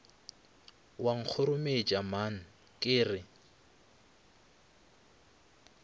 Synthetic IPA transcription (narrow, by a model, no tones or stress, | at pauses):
waŋ̩k͡xʰʊɾʊmed͡ʒʼaman̩ | kʼɪːrɪ